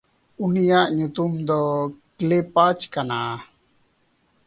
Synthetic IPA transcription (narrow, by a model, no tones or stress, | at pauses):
unijaʔɲut̪umd̪ɔklepat͡ʃkana